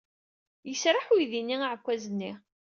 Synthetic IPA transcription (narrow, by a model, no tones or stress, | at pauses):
jəsɾaħujðinːiaʕkʷːæzənːi